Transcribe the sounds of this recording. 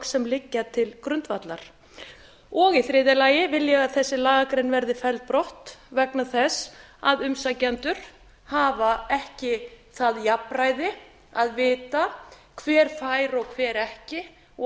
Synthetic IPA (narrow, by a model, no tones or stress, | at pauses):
sɛmlɪcːat̪ʰɪlkɾʏnt̪vat̪la̰ɾ̥ | ɔɣiθɾɪːðɪlaːjɪvɪljɛɣaðθɛsːɪlaːɣakɾejnvɛɾðɪfɛlt̪̚pɾɔht̪vɛknaθɛsaðʏmsacɛnt̪ʏɾ̥ | haːvaɛhcɪθaðjapɾajðɪ | aðvɪːt̪akʰvɛːɾ̥faːjɾɔɣkʰvɛːɾɛhcɪ